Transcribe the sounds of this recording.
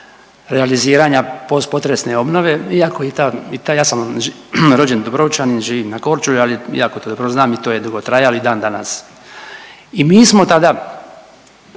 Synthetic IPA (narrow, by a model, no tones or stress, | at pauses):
ɾealiziːɾaɲapo̞spo̞t̪ɾesne̞o̞bno̞ʋe̞iako̞it̪ait̪ajaːsam | ɾo̞d͡ʒend̪obɾo̞ut͡ʃaninʒiːʋiːmnako̞ɾt͡ʃulualiḭakot̪od̪obɾoznaːmit̪oje̞d̪uɡo̞t̪ɾajaloid̪aːnd̪anas | imiːsmo̞t̪ad̪a